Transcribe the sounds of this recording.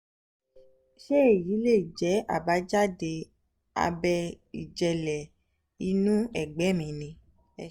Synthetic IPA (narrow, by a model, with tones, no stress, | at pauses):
ʃe˦˨ji˨˦le˦˨d͡ʒɛ˨˦a̰˨ba˨˦d͡ʒa˦de˧ | a̰˧bɛ˧ | ḭ˨d͡ʒɛ˧lɛ˨ | i˧˦nũ˦ɛ˦˨ɡ͡bɛ˨˦˨mĩ˨nĩ˧